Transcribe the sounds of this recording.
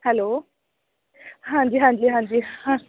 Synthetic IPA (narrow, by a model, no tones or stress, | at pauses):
hɛloː | ɦãnd͡ʒiɦãnd͡ʒiɦãnd͡ʒihã